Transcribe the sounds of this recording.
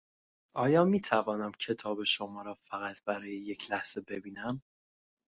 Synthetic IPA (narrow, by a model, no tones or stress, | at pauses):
ʔɒːjɒːmiːt̪ʰævɒːnæmcʰe̞t̪ʰɒːbe̞ʃo̞mɒːɾɒːfæɣæt̪ʰb̥æɾɒːjeje̞cʰlæhz̥e̞bebiːnæm